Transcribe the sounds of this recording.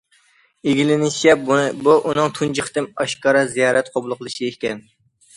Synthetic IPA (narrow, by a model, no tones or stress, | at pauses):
eɡʲilɪnɪʃɛbuʔunɨŋt̪ʰund͡ʒɨχt̪ɨmɑʃkɑɾɑzijɑːɾɛt̪qʰoblˠʊqʰəlˠɨʃiekʲɛn